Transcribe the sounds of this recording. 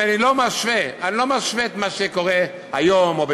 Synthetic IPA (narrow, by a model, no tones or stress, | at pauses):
anilomaʃveanilo̞maʃveːt̪maʃeko̞ʁe | hajomobe